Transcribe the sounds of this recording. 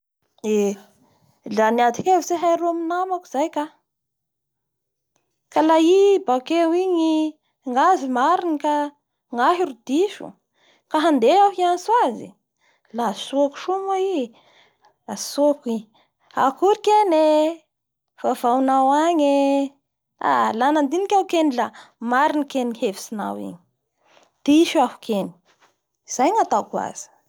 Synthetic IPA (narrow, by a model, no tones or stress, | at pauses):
e | laniat̪ikevseɦajɾuaminamaku̥z̥ajka | kalaibakewiɲi | ŋɡazimaɾinika | ŋaɦiɾud̪iʃṵ | kaɦand̪eaɦianiswazḭ | lasoaku̥ʃumai | asoki | a̰kuɾikene | v̥avawnawaɲe | a̰lanand̪inikʲaukenilamaɾinikenihevi̥sina̰wḭɲi | d̪̥iʃuafu̥kʰeni̥ | z̥ajŋat̪akua̰z̥i̥